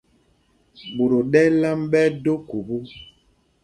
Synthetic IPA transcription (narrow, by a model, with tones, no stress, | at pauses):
bu˨ɾo˨ɗɛ˦la˦mɓɛ˦do˦ku˨bu˦